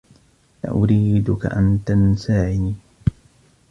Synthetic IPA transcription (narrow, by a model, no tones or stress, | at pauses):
ʔa̰ʔʊɾiːd̪ʊka̰ʔant̪ansaːʕɪniː